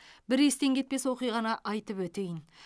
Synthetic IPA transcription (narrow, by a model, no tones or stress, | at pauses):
bɪɾe̞st̪e̞ŋkʲʰe̞t̪̚pe̞swo̞qijʁɑnɑʔɑjt̪əpwɵt̪e̞jɪn